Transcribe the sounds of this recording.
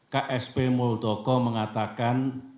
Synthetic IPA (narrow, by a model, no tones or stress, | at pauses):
kaʔɛspemold̪̥ɔkɔməŋat̪akan